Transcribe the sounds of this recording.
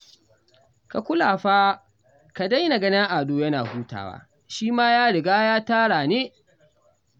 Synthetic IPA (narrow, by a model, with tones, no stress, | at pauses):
ka˨kʷʊ˦laː˨ɸaː˦ | ka˨da˦jna˨ɡɐ˦nɐ˦ʔaː˨doː˦jɐ˦na̰ː˨huː˦ta̰ː˨wa̰ː˦ | ʃiː˦maː˦jaː˦ɽɪ˨ɡaː˦jaː˦taː˦ɽaː˨neː˦